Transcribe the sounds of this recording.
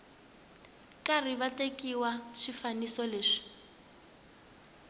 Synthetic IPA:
kariβatekiwaʂifanisɔleːʂi̥

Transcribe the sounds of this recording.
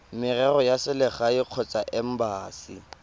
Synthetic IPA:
mɪrɛrɔjasɪlɪχaɪq͡χʰɔt͡sʼaʔɛm̩baːsḭ

